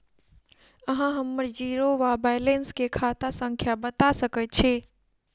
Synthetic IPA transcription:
əɦãɦəmːəɾd͡ʒiɾoʋabajlenskekʰat̪asə̃ŋkʰjabət̪asəkət̪̚t͡ʃʰe

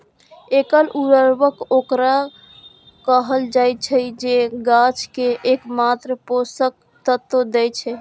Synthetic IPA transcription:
ekəluɾəɾbəkokɾa | kəɦəld͡ʒajt͡ʃʰɛd͡ʒeɡat͡ʃkeʔekmat̪ɾəposək̚ | t̪ət̪ːəd̪ɛt͡ʃʰɛ

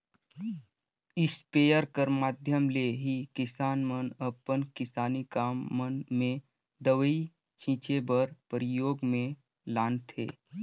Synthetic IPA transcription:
ɪspeːjəɾkəɾmaːd̪ʱjəmleɦikɪsaːnmənəpənkɪsaːnikaːmːənmẽ | d̪əʋəi | t͡ʃʰĩːt͡ʃebəɾpəɾɪjoːɡmẽ | laːnt̪ʰḛː

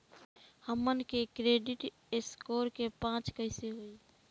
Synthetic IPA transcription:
həmənkekɾeːɖɪʈ | eskoːɾkepãːt͡ʃkəɪseɦoiː

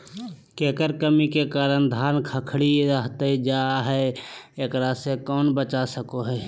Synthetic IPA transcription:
keːkəɾkəmikekaːɾənd̪ʱaːnkʰəkʰɽiɾəɦt̪ed͡ʒaɦɛeːkɾasekɔːnbət͡ʃasəkoɦɛː

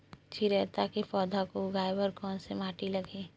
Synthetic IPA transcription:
t͡ʃʰiɾɛːt̪akepɔːd̪ʱakoɡʱaːjbəɾkɔːnsemaːʈilɐɡeː

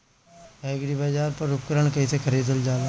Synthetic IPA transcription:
ɛːɡɾibɐd͡ʒaːɾpɐɾʊp̚kəɾəɳ̃kɐisekʰɐɾiːd̪əld͡ʒaːla

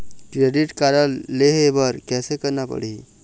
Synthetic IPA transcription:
kɾeɖiʈkaɾəlːeɦebəɾkɛsekəɾnapə̰ɽi

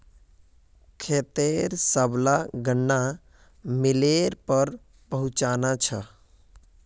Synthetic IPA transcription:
kʰet̪eɾsəblaɡəɳːa | mileɾpəɾ | pəɦut͡ʃanat͡ʃʰə

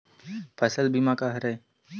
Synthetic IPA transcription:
pʰəsəlbimaːkaːɦəɾeː

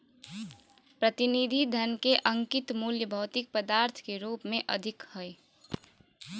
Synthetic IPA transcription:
pɾət̪inid̪ʱid̪ʱənkeʔəŋkɪt̪muljəbʱəʊt̪ik̚pəd̪aːɾt̪ʰkeɾuːpmẽʔəd̪ʱɪkhəj

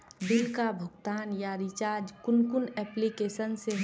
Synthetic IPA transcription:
d̪ɪlkabʱəɡt̪aːnjaɾit͡ʃaːɾd͡ʒkʊnkʊnɛːplikeːsənse

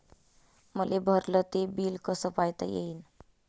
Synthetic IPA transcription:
məlebʱəɾlət̪ebilkəsəpajt̪əjḛɦin

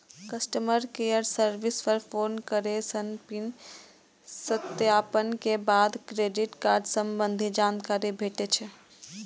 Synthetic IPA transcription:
kəsʈəməɾkejəɾsəɾʋispʰəɾpʰonkəɾesənpin | sət̪japənkebaːd̪kɾeɖiʈkaːɾɖsəmbənd̪ʱid͡ʒaːnkaɾibʱeʈet͡ʃʰɛ

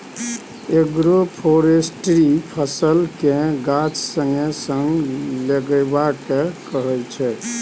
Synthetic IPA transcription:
eɡɾopʰoɾesʈɾipʰəsəlkẽɡat͡ʃsəŋɡesəŋɡleɡɛbakekəɦɛlt͡ʃʰɛ

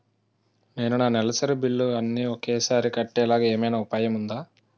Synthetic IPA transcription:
ne̞ːnunaːnɛlɐsɐɾubilːuɐnːiokɛːsaːɾikɐʈːɛːlaːɡaːeːmɐjnaupaːjɐmund̪aː

